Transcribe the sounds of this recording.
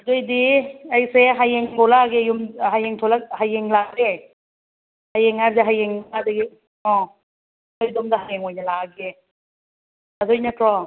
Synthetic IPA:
azojdiajseɦajeŋtʰɔlaɡejumɦajeŋtʰɔlaɦajeŋlaɾe | hajeŋaɾzeɦajeŋadaɡi | ɔ̃ | ɔjdɔmdaɦajeŋɔjnalaɡe | azɔjnakɾɔ

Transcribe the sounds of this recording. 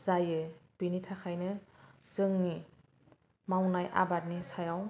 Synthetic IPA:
z̥ajɯb̥initʰakʰajnɯ | z̥ɯŋni | mawnajʔa̰batnisajaw

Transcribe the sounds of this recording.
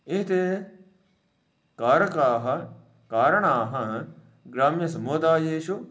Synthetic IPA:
iɦt̪e | kaːɾkaɦɐ | kaːɾəɳ̃aːɦɐ̃ | ɡɾaːmjɐsɐmoːd̪aːjeːʃo

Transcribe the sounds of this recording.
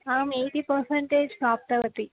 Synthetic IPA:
aːmejʈipəɾseɳʈeːd͡ʒsaːp̚t̪ɐʋət̪i

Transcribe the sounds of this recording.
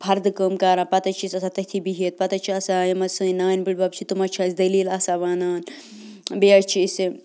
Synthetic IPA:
pʰɐɾd̪ɨkəmkɐːɾãːpɐt̪ɐt͡ʃʰisɐsat̪ɐt̪ʰibiɦit̪̚pɐt̪ɐt͡ʃʰiɐsajɐmɐsɨinaːnbiɽbɐb̚t͡ʃʰit̪umɐt͡ʃʰaːsd̪ɐliːlɐsaʋaːnaːn | beɐt͡ʃʰisi

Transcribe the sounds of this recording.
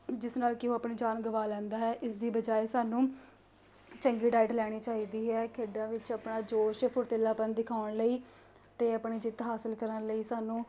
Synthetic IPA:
d͡ʒɪsnaːlkɪoːəpɳiːd͡ʒaːnɡəʋaːlɛ̃ːnd̪aːɦɛːʔɪsd̪iːbəd͡ʒaːeːsaːnũː | t͡ʃəŋɡiːɖaːɪʈlɛːɽ̃iːt͡ʃaːɦiːd̪iːɦɛːkʰeːɖãːʋɪt͡ʃəpɳaːd͡ʒoːʃpʰʊɾt̪ɪlːaːpənd̪ɪkʰaːʊɳləiː | t̪eːəpɳiːd͡ʒɪt̪ɦaːsəlkəɾənləiːsaːnũː

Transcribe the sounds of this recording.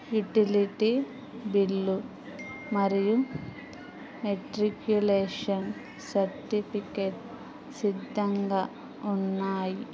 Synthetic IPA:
juʈiliʈi | bilːu | mɐɾiju | meʈɾikjuleːʂɐn | sɐɾʈipʰikeʈ | sid̪ʱːɐŋɡɐ | unːaːji

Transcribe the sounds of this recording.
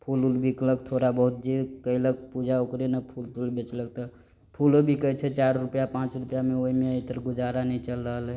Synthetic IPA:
pʰululbikləkt̪ʰoɾabəɦut̪̚d͡ʒekəilək̚pud͡ʒaokɾenəpʰult̪ulbet͡ʃlək̚t̪ə | pʰulobʱikəjt͡ʃʰɛt͡ʃaɾɾupjapãt͡ʃɾupjameoɦimeəjt̪əɾɡud͡ʒaɾanɛjt͡ʃəlɾəɦəlɛ

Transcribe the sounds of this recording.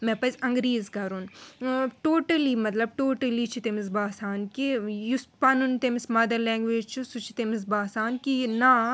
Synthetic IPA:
mɛpɐzʲɐŋɡɾiːzɡɐɾun | ʈoːʈɐliːmɐt̪lɐb̚ʈoːʈɐlit͡ʃʰit̪emis̬baːsaːnkijuspɐnunt̪emismɐd̪ɐɾlɛ̃ːŋɡʋeːd͡ʒt͡ʃʰusut͡ʃʰi̥t̪emis̬baːsaːnkinaː

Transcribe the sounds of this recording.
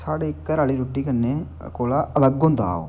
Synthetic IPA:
saːɽeɪkːəɾaːliːɾuʈːiːkənːeː | koːlaːʔələɡʊ̃nd̪a̰ːo̰ː

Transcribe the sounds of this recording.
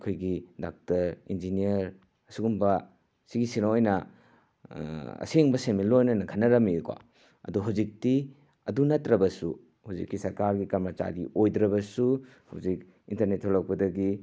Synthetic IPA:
kʰojɡidak̚tɐɾind͡ʒiniɐɾ | ɐsuɡumbɐ | siɡisinojnɐ | ɐ̰seŋbɐsenmilojnɐnɐkʰɐnɐɾɐmikwa̰ | ɐ̰duɦawzik̚ti | ɐdunɐtɾɐbɐsu | hawzikːisɐɾkaɾɡikaɾmɐt͡ʃa̰ɾiojdɾɐβɐsu | hawzik | intɐɾnetʰːolɐk̚pɐdɐɡi

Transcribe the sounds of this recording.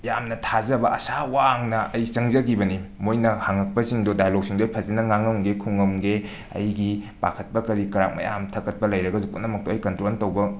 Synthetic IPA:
jamnɐtʰazɐbɐʔɐsawaŋnɐɐjt͡ʃɐŋzɐɡibɐnimojnɐhaŋɐk̚pɐsiŋdodajalok̚siŋdoɐjpʰɐzenɐŋaŋɐmɡekʰuŋɐmɡe | ɐ̰jɡipa̰kʰɐt̚pɐkɐɾikɐɾa̰k̚mɐ̰ja̰mtʰɐkɐt̚pɐlɐjɾɐɡɐzupunːɐmɐk̚toɐjkɐntɾoltɐwbɐ

